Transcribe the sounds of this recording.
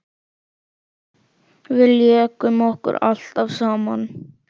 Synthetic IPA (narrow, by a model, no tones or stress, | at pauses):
vɪljɛɛkʏmɔhkʏ̰ɾa̰l̥t̪avsaːman